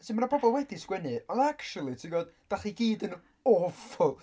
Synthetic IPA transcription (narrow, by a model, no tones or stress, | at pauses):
simaɾapʰɔbɔlˠwɛdiskwɛnɨanakt͡ʃulˠitʰiɡɔdd̥aχiɡiːdən | ɔfɔlˠ